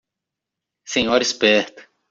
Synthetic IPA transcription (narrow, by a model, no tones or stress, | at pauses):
sẽɲɔɾispɛɾt̪ʊ̥